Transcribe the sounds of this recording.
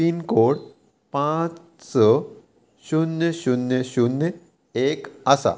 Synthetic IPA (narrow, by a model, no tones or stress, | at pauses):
iːnkoɽ | pãt͡s | sɔ | ɕunjəɕunjəɕunə | ekəsa̰